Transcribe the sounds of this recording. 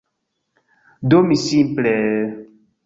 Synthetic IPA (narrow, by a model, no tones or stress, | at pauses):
domĩsĩplɛ